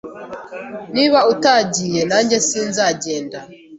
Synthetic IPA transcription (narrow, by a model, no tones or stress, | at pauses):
niβautaɟiːjenaːɲɟe̞siːnzaɟe̞ːnda